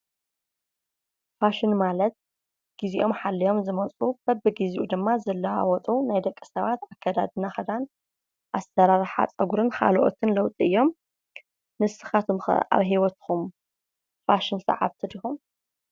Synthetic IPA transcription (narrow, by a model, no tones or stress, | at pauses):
faʃɪnmalɐt̪̚ | ɡ̥iziʔo̞mħalːijo̞mzɨmɐt͡sʼub̥ɐbɨɡiziʔud̪ɨmːazɐlːawa̰wɔt̪ʼunajd̪ɐkʼːɨ̥sɐβat̪akʰːad̪a̰d̪ɨnaxɐd̪an | ʔasɐɾaɾħa̰t͡sʼɐɡuɾɨnkʰa̰lʔo̰t̪ʰɨnlɐwt̪ʼiɨjːo̞m | nɨsɨxat̪ʰɨmxɐ̰ʔa̰βɦiwɔt̪xum | faʃɪnsɐ̰ʕa̰βt̪ʰɨd̪ixum